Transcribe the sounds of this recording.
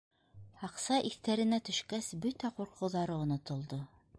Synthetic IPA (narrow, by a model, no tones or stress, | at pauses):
hɑqsɑʔiθt̪æɾɘ̆næt̪ɵ̆ʃkæsbɵt̪æquɾqɤ̆wðɑɾɤŏnŏt̪ŏlˠd̪o